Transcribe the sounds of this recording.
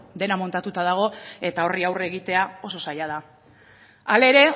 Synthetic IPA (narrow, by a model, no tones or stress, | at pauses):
d̪e̞namo̞nt̪at̪ut̪aðaɣ̞o̞e̞t̪ao̞riawre̞ɣit̪e̞ao̞so̞sajað̞a | ale̞ɾe̞